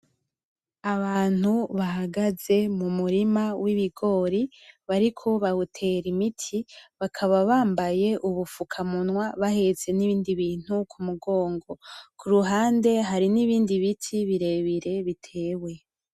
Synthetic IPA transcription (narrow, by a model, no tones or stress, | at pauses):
aβaːn̥huβaɦaɡaze̞mumuɾimawiβiɡo̞ːɾiβaɾikʰo̞βautʰe̞ɾimitʰiβakʰaβaβaːmbaje̞ʔuβufukʰamunwaβahe̞ze̞niβiːndiβiːn̥hukʰumuɡo̞ːŋɡo̞kʰuɾuɦaːnde̞ɦaɾiniβiːndiβitʰiβiɾe̞βiɾe̞βitʰe̞ːwe̞